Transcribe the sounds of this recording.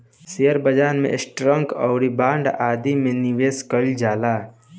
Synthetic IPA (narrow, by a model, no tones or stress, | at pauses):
sejəɾbəd͡ʒaːnmḛ̃sʈɾə̃ŋkɔːɾibaːɳɖaːd̪imẽniʋeːskəld͡ʒaːlaː